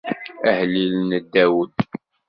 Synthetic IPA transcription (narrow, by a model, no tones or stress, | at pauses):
əhlilnəd̪ːæwəd̪